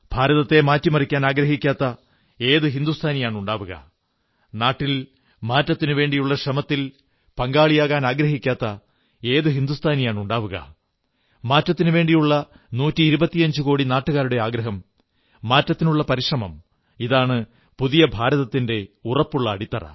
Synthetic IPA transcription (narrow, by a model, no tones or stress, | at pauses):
b̥ʱaːɾɐðɐt̪ːe̞maːtːimɐrikʲːaːnaːɡɾɐɦikʲːaːt̪ːɐ | e̞ːðɨɦind̪ust̪ʰaːnijaːɳuɳɖaːʋuɣɐ̰ | naːʈːil | maːtːɐt̪ːinuʋe̞ːɳɖijuɭːɐʂrɐmɐt̪ːil | pɐŋɡaːɭijaːɣaːnaːɡɾɐɦikʲːaːt̪ːɐ | e̞ːðɨɦind̪ust̪ʰaːnijaːɳuɳɖaːʋuɣɐ̰ | maːtːɐt̪ːinɨʋe̞ːɳɖijuɭːɐ | nuːtːiːɾubɐt̪ːijɐɲd͡ʑɨko̞ːɽinaːʈːuɣaːɾuɽe̞aːɡɾɐɦɐmː | aːtːɐt̪ːinuɭːɐpɐɾiʂrɐmɐm | iðaːɳɨ | puðijɐbʱaːɾɐðɐt̪ːinde̞urɐpːuɭːɐːɽit̪ːɐrɐ̰